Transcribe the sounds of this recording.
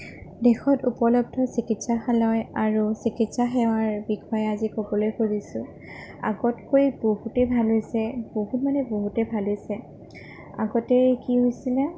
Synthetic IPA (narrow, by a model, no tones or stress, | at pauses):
dɛxɔtupɔlɔp̚dʱɔsikitsaxalɔjaɹusikitsaxɛw̃aɹbixʰɔjɛazikobɔlojkoɹisʊ̃ | a̰ɡɔtkojboɦutɛbʱalɦojsɛboɦutmanɛboɦutɛbʱalojsɛ | a̰ɡɔtɛkiɦojsilɛ